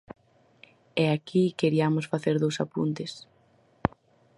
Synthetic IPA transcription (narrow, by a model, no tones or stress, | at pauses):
ɛakikeɾiamosfaθeɾðowsapṵnt̪ɪs